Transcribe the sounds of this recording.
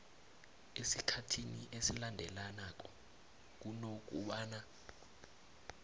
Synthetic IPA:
esikʰatʰiniʔesilandʱɛlanak̬ʼɔ | k̬unok̬ṵɓaːna

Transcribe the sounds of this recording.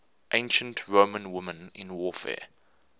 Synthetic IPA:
ʔẽɪ̃nʃə̃ntʰɹõːmə̃nwʊmə̃nɪ̰̃nwɔːfɛ̰

